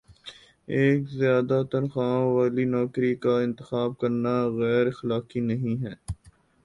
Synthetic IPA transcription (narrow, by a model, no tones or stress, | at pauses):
eːkzɪjaːd̪at̪ɐɾxaːʋaːlinɔːkɾikaɪ̃nt̪ɪxaːb̚kɐɾnaɣɛːɾɪxlaːqinɐɦĩɦɛː